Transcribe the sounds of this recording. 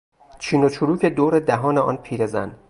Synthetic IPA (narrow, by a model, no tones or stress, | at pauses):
t͡ʃʰiːnot͡ʃʰuɾuːcʰe̞d̪oːɾed̪æɦɒːneɒ̰ːnpʰiːɾe̞zæ̰n